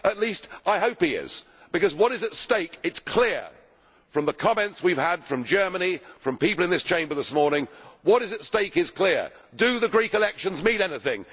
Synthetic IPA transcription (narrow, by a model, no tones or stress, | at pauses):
ətˡlistʔaɪɦoʊphiɪ̰z̥ | b̥ɨkʌzwʌɾɨzɨtsteɪkɨtskʰl̥ɪɹ | fɹʌ̃mðəkʰɑmɛ̃ntswiv̥əd̥fɹʌ̃md͡ʒɜ˞mənifɹʌ̃mpipl̩ˠɨ̃nðɪst͡ʃʰẽɪ̃mbə˞ðɨsmɔɹnɪ̃ŋwʌɾɨzɨtsteɪkɨz̥kʰl̥ɪɹ | dɨðɨɡɹikɨlɛkʃɨ̃nzmiɾɛnɪθɪ̃ŋ